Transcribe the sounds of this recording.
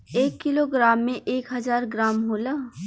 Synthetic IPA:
eːkːɪloɡɾaːmːẽʔeːkɦɐzaːɾɡɾaːmɦolaː

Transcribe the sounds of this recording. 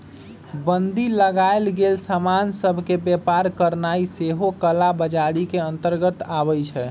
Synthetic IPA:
bənd̪iləɡaelɡelsamansəbʱkebepaɾkəɾnaiseɦokəlabəd͡ʒaɽikeənt̪əɾɡət̪aβət͡ʃʰɛ

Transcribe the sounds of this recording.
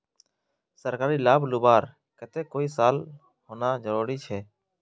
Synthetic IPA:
səɾkaːɾiːlaːblʊbaːɾ | kət̪eːkoːiːsaːl | hoːnaːd͡ʒəɾoːɾiːt͡ʃʰɛː

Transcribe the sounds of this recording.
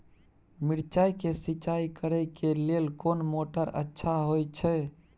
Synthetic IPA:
miɾt͡ʃajkesit͡ʃaikəɾəjkelelkonmoʈəɾə̰tːʃʰaɦojt͡ʃʰɛ

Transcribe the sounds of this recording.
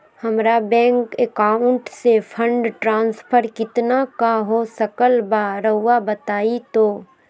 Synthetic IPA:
hɐmɾabɛ̃ːŋkekaːʊ̃ɳʈsepʰə̃ɳɖʈɾãːnspʰəɾkɪt̪nakaɦosəkəlbaɾəɦuwabət̪aːit̪oː

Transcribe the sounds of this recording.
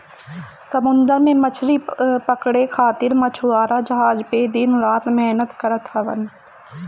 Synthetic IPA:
səmʊ̃nd̪əɾmẽmət͡ʃʰɾipəkɽekʰaːt̪ɪɾmət͡ʃʰuaːɾad͡ʒɐɦaːd͡ʒped̪ɪnɾaːt̪mɛɦnət̪kɐɾət̪ɦɐʋə̰n

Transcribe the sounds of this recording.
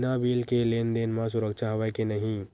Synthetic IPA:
nabiːlkeleːnd̪eːnmãs̬ʊɾəkʃaɦoʋekenəɦĩ

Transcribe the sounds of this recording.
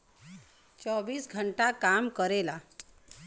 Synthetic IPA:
t͡ɕɔʋiːsɡʱəɳʈakamkəɾela

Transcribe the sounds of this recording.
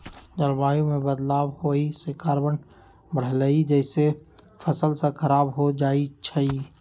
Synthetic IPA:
d͡ʒəlbaːjũmẽbəd̪laːbhoisekaːɾbən | bəɽ̤ləid͡ʒɛːse | pʰəsəlsẽkʰəɾaːbɦod͡ʒaːit͡ʃʰəi

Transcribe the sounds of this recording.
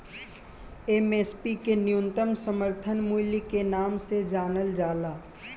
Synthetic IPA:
emeːspikenɪjʊnt̪əmsəməɾt̪ʰənmulikenaːmsed͡ʒaːnəld͡ʒaːlaː

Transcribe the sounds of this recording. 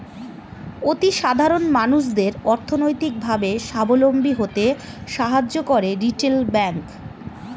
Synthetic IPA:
ot̪iʃad̪ʱaɾonmanuʃ̬d̪eɾɔɾt̪ʰonojt̪ik̚bʱabeʃabolombiɦot̪eʃaɦad͡ʑːokoɾeɾiʈelbɛŋk

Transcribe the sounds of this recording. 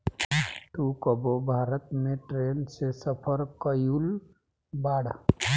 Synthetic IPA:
ʈukəbobʱaːɾət̪mẽʈɾeːnsesəpʰəɾkəjul | baːɽ

